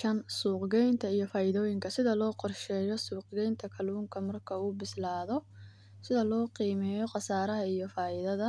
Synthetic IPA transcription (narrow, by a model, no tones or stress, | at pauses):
ʃɐnsuːqɡɛjnt̪ʰɐijɔfaːɪðɔːjɪŋkʰɐsɪðɐlɔːqɔrʃɛːjɔsuːqɡɛjnt̪ʰɐkʰɐluːŋkʰɐmɐrkʰɐuːbɪslaːðɔ | sɪðɐlɔːqiːmɛːjɔqɑsaːɾɐɦɐijɔfaːʔɪðɐðɐ